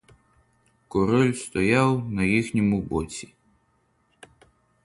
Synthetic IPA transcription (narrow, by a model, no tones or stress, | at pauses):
kɔɾɔlʲst̪ɔjawnɐjixnʲimubɔt͡sʲi